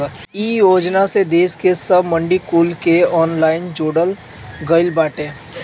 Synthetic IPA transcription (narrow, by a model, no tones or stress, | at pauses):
iːjoːd͡ʒnased̪eːskesɐbmə̃ɳɖikuːlkeɔːnlaːɪnd͡ʒoːɽəl | ɡəɪlbaːʈẽː